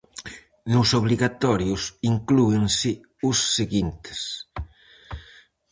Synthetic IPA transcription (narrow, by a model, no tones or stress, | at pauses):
nʊsoβ̞liɣat̪ɔɾjʊsiŋklueŋsɪ | ʊsːeɣint̪e̥s